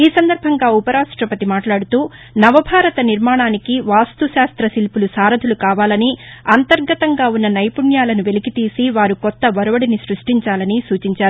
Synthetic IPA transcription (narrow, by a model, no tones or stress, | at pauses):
iːsɐnd̪ɐɾbʱɐŋɡaːupɐɾaːʂʈɾɐpɐt̪imaːʈlaːɽut̪uː | nɐʋɐbʱaːɾɐt̪ɐniɾmaːɳaːnikiʋaːst̪uʃaːst̪ɾɐsilpulusaːɾɐd̪ʱulukaːʋaːlɐniɐnt̪ɐɾɡɐt̪ɐŋɡaːunːɐnɐjpuɳjaːlɐnuʋe̞likit̪iːsiʋaːɾukɔt̪ːɐʋɐɾɐʋɐɽinisɾuʂʈiɲt͡ʃaːlɐnisuːt͡ʃiɲt͡ʃaːɾuu